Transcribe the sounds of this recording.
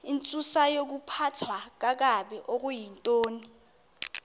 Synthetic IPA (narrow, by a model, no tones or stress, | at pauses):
int͡sʼusajok̬upʰatʰwak̬ak̬aɓɛʔok̬ujintʼoːni